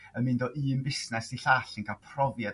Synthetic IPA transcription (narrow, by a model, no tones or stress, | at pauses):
əmɪndɔʔiːnbɪsnɛsiɬaːɬənkʰalˠpʰrɔvjad